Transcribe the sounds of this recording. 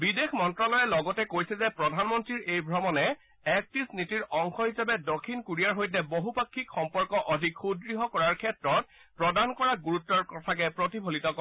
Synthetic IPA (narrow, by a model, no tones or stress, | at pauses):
bidexʰmɔntɹɔlɔjɛlɔɡɔtɛkojsɛzɛpɹɔdʱanmɔntɹiɹejbʱɹɔmɔnɛ | ɛk̚tisnitiɹɔŋxɔɦisabɛdokʰːinkuɹijaɹɦojtɛboɦupakʰːikxɔmpɔɹkɔʔɔdʱikxudɹiɦɔkɔɹaɹkʰɛtɹɔt̚ | pɹɔdankɔɹaɡuɹutːɔɹkɔtʰak̬ɛpɹotibʱolitɔkɔ